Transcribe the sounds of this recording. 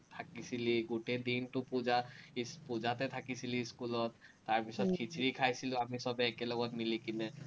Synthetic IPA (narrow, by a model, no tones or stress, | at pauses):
t̪ʰakisʰiliɡoʈed̪inʈupud͡ʒaispud͡ʒat̪ɛt̪ʰakisʰiliskulɔt̪ː | aɹpisɔt̪̚kʰit͡ʃʰɾikʰajsʰiluamisɔbeːkelɔɡɔt̪milikinɛ